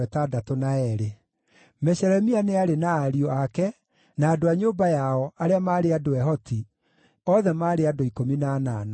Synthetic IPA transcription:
ɛtadatonaɛɾe | mɛɕɛɾɛmianeaɾenaːɾiɔakɛ | naːdoaɲoːbajaɔʔaɾeamaːɾeadoɛɦɔti | ɔðɛmaːɾeadoikominana̰na

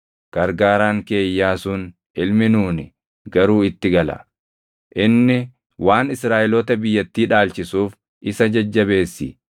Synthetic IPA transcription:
ɡ̥ɐɾɡaːɾaːŋke̞ːjːaːsʊn | ʔɪlmɪnuːnɪ | ɡɐɾuːɪt̪ːɪɡɐlɐ̰ | ʔɪnːɪ | waːnɪsɾaːʔɛlɔːt̪ɐbɪjːɐt̪ːiːᶑaːlt͡ʃɪsuːf | ʔɪsɐd͡ʒɐd͡ʒːɐbe̞ːsːɪ̰

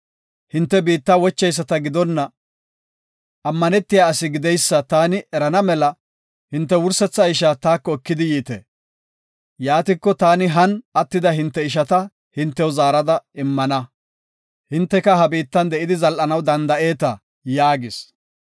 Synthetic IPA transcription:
hɪnt̪ːɛbiːt̪ːɐwɔt͡ʃːɛjs̬ːɐt̪ɐɡɪd̪ɔnːɐ | ɐmːɐnɛt̪ːɪjaːɐsɪɡɪd̪ɛjsːɐt̪aːnɪʔɛɾɐnɐmɛlɐ | hɪnt̪ːɛwʊɾsɛt͡sːɐɪʃaːt̪aːkːɔɛkːɪd̪ɪjiːt̪ḛː | jaːt̪ɪkːɔt̪aːnɪɦɐnɐt̪ːɪd̪ɐɦɪnt̪ːɛɪʃ̬ɐt̪ɐ | hɪnt̪ːɛwɔzaːɾɐd̪ɐɪmːɐnɐ | hɪnt̪ːɛkɐhɐbiːt̪ːɐnd̪ɛʔɪd̪ɪzɐlʔɐnɐwd̪ɐnd̪ɐʔe̞ːt̪ɐ | jaːɡɪs

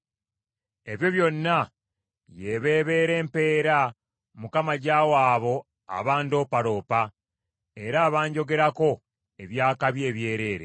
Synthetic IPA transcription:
e̞βjo̞βjo̞nːa | jeβe̞ːβe̞ːɾe̞ːmpe̞ːɾa | mukamaɟaːwaːβo̞ | a̰βaːndoːpaɾo̞ːpa | e̞ɾaːβaːɲɟo̞ɡe̞ɾako̞ | e̞βjaːkaβje̞ːβje̞ːɾe̞ːɾe̞̰

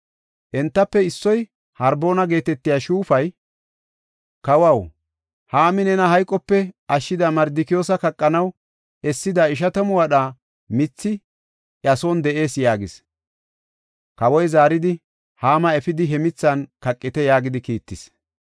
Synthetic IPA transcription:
ʔɛnt̪ːɐpːɛɪsːɔj | hɐɾbo̞ːnɐɡe̞ːt̪ɛt̪ːɪjaːʃuːfɐj | kɐwɐw | haːmɪnɛnɐhɐjkʼːɔpːɛɐʃːɪd̪ɐmɐɾd̪ɪkɪjo̞ːs̬ɐkɐkʼːɐnɐw | ɛsːɪd̪ɐɪʃ̬ɐt̪ɐmʊwɐɗa | mɪt͡sːɪ | ʔɐsond̪ɛʔe̞ːsjaːɡɪs | kɐwɔjzaːɾɪd̪ɪ | haːmɐɛfɪd̪ɪɦɛmɪt͡sːɐnkɐkʼːɪt̪ɛjaːɡɪd̪ɪkiːt̪ːɪs

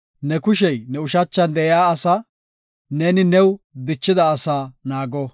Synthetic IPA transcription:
nɛkʊʃ̬ɛjnɛʊʃɐt͡ʃːɐnd̪ɛjjaːɐsɐ | nɛnɪnɛwd̪ɪt͡ʃːɪd̪ɐːsaːnaːɡɔ

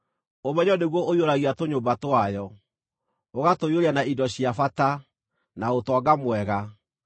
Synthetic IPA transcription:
omɛɲɔneɣwɔʔoioɾaɣiatoɲobatoajɔ | oɣatojoɾeanaidɔɕiafata | naotwɔaɡamwɛɣa

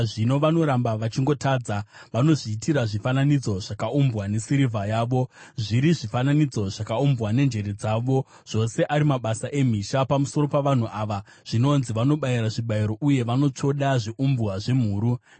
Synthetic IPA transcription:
ʐino̞ʋano̞ɾambaʋat͡ʃiŋɡo̞taːd͡zaʋano̞ʐiːtiɾaʐifananid͡zo̞ʐakaumbwane̞siɾivʱajaːʋo̞ʐiɾiʐifananid͡zo̞ʐakaumbɣwane̞nd͡ʒe̞ɾe̞d͡zaːʋo̞ | ʐ̥o̞se̞ʔaɾimaɓasaʔe̞m̤iʃapamuso̞ɾo̞paʋan̤uʔaʋa | ʐ̥ino̞nziʋano̞ɓaiɾaʐiɓaiɾo̞ʔuje̞ʋano̞t͡ʂo̞ɗaʐiʔumbwaʐe̞m̤uːɾu

